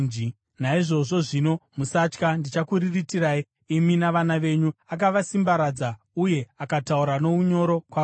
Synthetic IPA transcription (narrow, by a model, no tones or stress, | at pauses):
d͡ʒi | naiʐo̞ʐo̞ʐino̞musat͡ʃkandit͡ʃakuriritiɾai | iminaʋanaʋe̞ɲuak̬aʋasimbaɾad͡za | uje̞akatauɾano̞uɲo̞ɾo̞kwa